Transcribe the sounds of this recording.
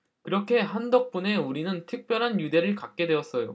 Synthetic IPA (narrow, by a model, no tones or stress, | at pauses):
kɯɾʌkʰe̞ɦandʌk̚p͈une̞uɾinɯntʰɯk̚p͈jʌɾɦanjude̞ɾɯɭkak̚k͈e̞dwe̞ʌs͈ʌjo